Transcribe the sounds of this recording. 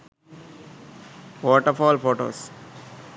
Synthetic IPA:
ʋɔːʈəfɔːlfoːʈo̰ːs

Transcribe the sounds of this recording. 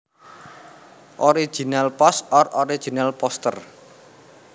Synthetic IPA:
ʔɔɾi̥ʒ̥i̤nalpɔsɔroɾi̥ʒ̥i̤nalpɔst̪ər

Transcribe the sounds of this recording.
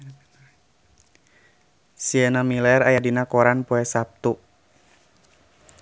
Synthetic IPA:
siɛnamilɛrajadinakɔɾanpɔɛsap̚t̪u

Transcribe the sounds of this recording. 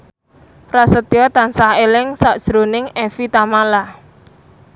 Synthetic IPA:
prasət̪iɔt̪ansahelɪŋsaʔd̥ʒ̥ɾonɪŋefit̪amala

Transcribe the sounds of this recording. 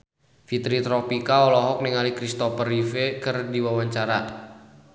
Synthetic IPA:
fit̪ɾit̪ɾɔpikaɔlɔɦɔk̚niŋalikɾist̪ɔfərifekərdiwawaɲt͡ʃaɾa

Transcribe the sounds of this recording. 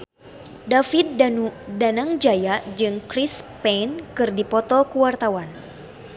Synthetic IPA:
dafit̪̚danudanaŋd͡ʒajad͡ʒɨŋkɾispɛnkɨrdipɔt̪ɔkuwart̪awan

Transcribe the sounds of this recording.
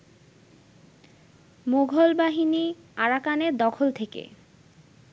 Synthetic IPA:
moɡʱolbaɦiniaɾakaneɾd̪ɔkʰolt̪ʰekḛ

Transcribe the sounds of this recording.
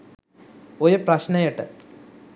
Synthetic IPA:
oɾuprɐɕnɐjiʈːɨ

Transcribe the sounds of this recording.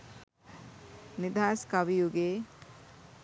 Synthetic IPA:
nid̪ʱaːskaʋijuɡeː

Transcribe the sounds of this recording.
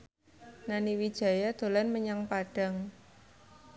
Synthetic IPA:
naniwid̥ʒ̥ä̤jad̪̥o̤lanməɲaŋpaɖ̥a̤ŋ

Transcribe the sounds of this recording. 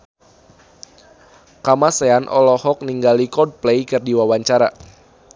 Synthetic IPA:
kamaseanʔɔ̰lɔhɔk̚niŋɡalikɔd̚plejkɨrdiwawaɲt͡ʃaɾa

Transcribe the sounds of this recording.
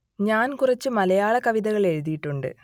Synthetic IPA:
ɲaːnkurɐt͡ɕːɨmɐlɐjaːɭɐkɐʋiðɐɣɐɭe̞ɻuðijiʈːuɳɖɨ̰

